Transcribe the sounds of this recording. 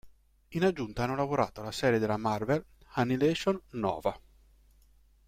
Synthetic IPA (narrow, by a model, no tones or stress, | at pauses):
inad͡ʒːunt̪aanːolavoɾa̰ːt̪oalasɛːɾed̪elamarvelhanilɛʃonːɔ̰ːva